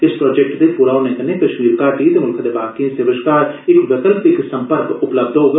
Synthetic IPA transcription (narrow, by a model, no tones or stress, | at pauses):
ɪspɾoːd͡ʒɛk̚ʈd̪epʊɾaːonekɐnekɐʃmiːɾkaːʈit̪emʊlkʰd̪ebaːkiẽsəʋəʃkaːɾɪkʋɪkəlpɪksɐ̃mpəɾkʊpləb̚d̪ɦoːɡ